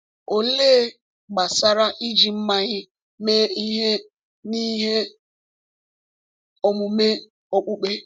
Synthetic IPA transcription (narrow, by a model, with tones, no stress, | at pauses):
o˨leː˦ | ɡ͡ba˨sa˦ɾa˦ʔi˦d͡ʒi˨m̩˦ma˦ɲɪ˦ | me˦i˦ɦe˦ | ni˦ɦe˦ | o˨mʊ˨me˦ | o˦k͡pu˦k͡pe˦